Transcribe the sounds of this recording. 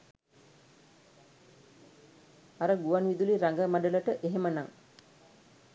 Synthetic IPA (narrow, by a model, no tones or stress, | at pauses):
aɾəɡuʋanʋid̪uliɾaŋɡəmaɖələʈəʔeɦemənaŋ